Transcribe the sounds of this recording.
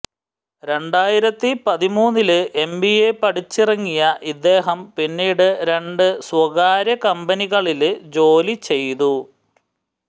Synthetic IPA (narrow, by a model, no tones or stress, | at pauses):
ɾe̞ɳɖaːjiɾɐt̪ːipɐðimuːnːilɨʔe̞mbiepɐɽit͡ɕːirɐŋːijɐʔid̪ːe̞ːɦɐmpinːiːɽɨɾe̞ɳɖɨswɐɣaːɾjɐkɐmbɐniɣɐɭild͡ʑo̞ːlit͡ɕe̞jt̪u